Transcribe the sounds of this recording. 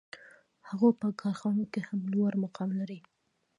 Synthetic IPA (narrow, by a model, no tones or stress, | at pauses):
haɣopəkʰɑɾxɑnokehamlwoɾmaqɑmlaɾi